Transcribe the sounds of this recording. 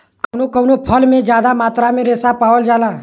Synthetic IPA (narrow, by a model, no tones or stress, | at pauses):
kəʊnokəwnopʰəlmẽd͡ʒjaːd̪amaːt̪ɾamẽɾɛːsapaːʋəld͡ʒaːlaː